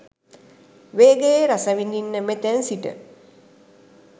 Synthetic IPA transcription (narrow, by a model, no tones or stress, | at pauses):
ʋeːɡejeɾasaʋind̪inːəmet̪ænsiʈə̰